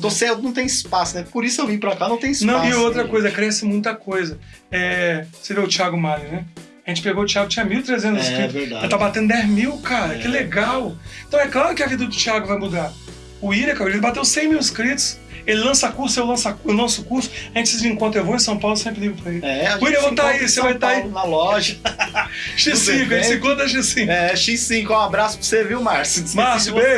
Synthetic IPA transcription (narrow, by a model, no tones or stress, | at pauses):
t̪osɛɾt̪ʊnɐ̃w̃t̪ẽj̃ɪspasʊnɛpoɾisʊewvĩjpɾakanɐ̃w̃t̪ẽj̃ɪsnɐ̃w̃iowt̪ɾɐkojzɐkɾɛsɪmũj̃t̪ɐkojzɐ | ɛseɾiɐʊt͡ʃiaɡʊmajʊnɛ | aʒẽnt͡ʃɪ̥peɡoʊt͡ʃiaɡʊt͡ʃĩɲɐmiwt̪ɾezẽnt̪ʊzɪskɾit̪ʊeaɛlt̪avbat̪ẽnd̪ʊd̪ɛzmiwkaɾɐkɛleɡawẽt̪ɐ̃w̃ɛklaɾʊkɪɐvid̪ɐd̪ʊt͡ʃiaɡʊvajmud̪aɾ | ʊiɾɐkawelelɪbat̪ewsẽj̃miwɪskɾit̪ʊ̥s | elɪlɐ̃sɐkuɾsʊewlɐ̃saewlɐ̃sʊkuɾsʊ̥ɐ̃t͡ʃɪzd͡ʒĩkõnt̪ɾewvoẽsɐ̃w̃pawlʊsẽmpɾɪliɡʊpɾɐelɪɛʊiɾ̃evot̪aisevajt̪aainɐlɔʒɐ | ʃisːĩkʊẽsĩkõd̪ɐʃisĩkɛʃisĩkʊõabɾasʊ̥pseviwmaɾssmaɾsʊbeʒ